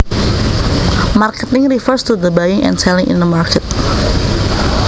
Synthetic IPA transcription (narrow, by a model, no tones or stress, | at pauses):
markɛt̪ɪŋɾifərst̪ud̪əbajɪŋʔɛ̰̃nsɛlɪ̃ŋʔɪ̰̃nd̪əmarkʰɛt̪̚